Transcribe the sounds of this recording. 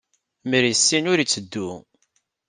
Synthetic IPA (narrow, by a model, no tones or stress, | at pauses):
məɾisːinʊɾit͡sːəd̪ːu